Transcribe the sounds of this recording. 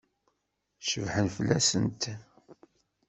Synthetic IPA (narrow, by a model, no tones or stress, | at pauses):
ʃəvħənfəlːæsə̰nt̪